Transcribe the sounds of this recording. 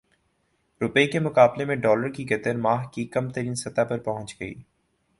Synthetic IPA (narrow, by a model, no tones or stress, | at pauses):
ɾʊpəikemʊkaːblemẽɖɔːləɾkiɡɐt̪əɾmaːɦkikɐmt̪əɾiːnsɐt̪apɐɾpɐɦʊ̃nt͡ʃɡɐḭː